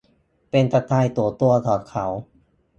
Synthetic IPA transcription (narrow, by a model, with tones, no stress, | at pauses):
pe˧nt̪a˧t̪aː˧jt̪u˨˧˩ɐt̪u˧ɐt̪ʰɔː˨˩kʰa˦w